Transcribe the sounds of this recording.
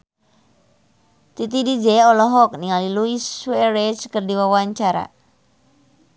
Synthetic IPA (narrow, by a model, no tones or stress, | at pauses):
t̪it̪idid͡ʒɛɔlɔɦɔk̚niŋaliluisuɛɾɛt͡ʃkərdiwawaɲt͡ʃaɾa̰